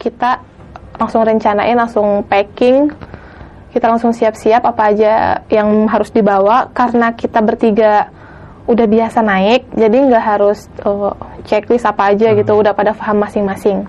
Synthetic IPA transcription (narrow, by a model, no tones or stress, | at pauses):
kit̪a | laŋsʊŋrəɲt͡ʃana̰ʔɪnlaŋsʊŋpɛkɪŋ | kit̪alaŋsʊŋsiap̚siapapaːd͡ʒajaŋɦaɾʊsdibawakaɾənakit̪abərt̪iɡa | udahbiasanaɪk̚d͡ʒadiŋɡaʔɦaɾʊs | ət͡ʃɛklɪsapaːd͡ʒaɡit̪uːdahpadahfaɦamːasɪŋmasɪŋ